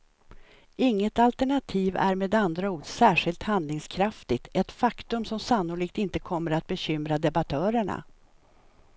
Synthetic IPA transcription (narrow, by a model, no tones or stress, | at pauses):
ɪŋːət̪alt̪æɳat̪ʰiːvæ̰ɾmeːd̪and̪ɾauːdsæːʂɪlt̪hand̪lɪŋskʰɾaft̪ɪɡ̚t̪ʰɛt̪fakt̪ɵmsɔmsanːʊliːk̚t̪ɪnt̪əkʰɔmːəɾat̪̚bɛɕʏmɾad̪ɛbat̪ʰœːɾəɳa̰